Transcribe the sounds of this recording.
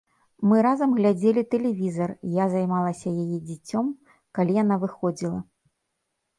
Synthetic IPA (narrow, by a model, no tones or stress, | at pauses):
mɨɾazɐmɣlʲad͡zʲelʲit̪ɛlʲɛvʲizɐrjazajmalˠɐsʲɐjajid͡zʲat͡sʲɔm | kalʲijanavɨxɔd͡zʲilˠɐ